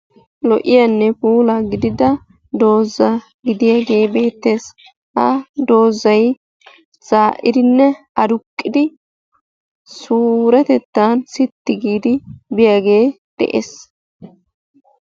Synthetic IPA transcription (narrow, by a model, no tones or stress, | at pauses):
lɔʔɪjanːɛpuːlɐɡɪd̪ɪd̪ɐ | d̪o̞ːzːɐ | ɡɪd̪ɪjaɡe̞ːbe̞ːt̪ːe̞ːs | hɐd̪o̞ːzɐj | t͡saːʔɪd̪ɪnːɛ | ɐd̪ʊkʼːɪd̪ɪ | suːɾɛt̪ɛt̪ːansɪt̪ːɪɡiːd̪ɪbɪjaɡe̞ː | d̪̥ɛ̰ʔḛs